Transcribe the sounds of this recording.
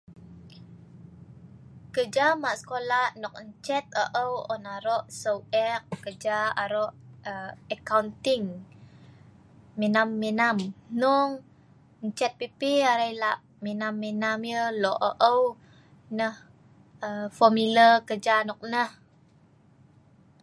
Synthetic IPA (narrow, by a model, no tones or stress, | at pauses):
kəd͡ʒamaʔsə̥kolahnɔk̚ɲt͡ʃɛt̪̚əʔəwɔnaɾɔʔsəwɛkːəd͡ʒaaɾɔʔəəkawnt̪iŋ | minamːinamnɔŋ | ɲt͡ʃɛt̪̚pipiaɾajlaʔ | minamːinamjəlɔʔəʔəw | nəh | əfɔmilərkəd͡ʒanɔk̚nəh